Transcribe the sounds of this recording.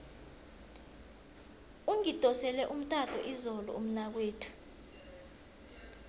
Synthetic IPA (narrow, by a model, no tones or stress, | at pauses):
uŋid̥ʱʼɔsɛlɛʔum̩tʼatʰʼɔʔizɔlɔ̰um̩nak̬weːtʰu̥